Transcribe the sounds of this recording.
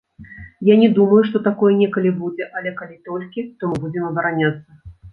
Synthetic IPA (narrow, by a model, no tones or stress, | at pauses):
janʲɛd̪umɐjuʂt̪ɔt̪akɔjɛnʲɛkɐlʲibud͡zʲɛʔɐlʲɛkalʲit̪ɔlʲkʲit̪ɔmɨbud͡zʲɛmɐbɐɾanʲat̪sːɐ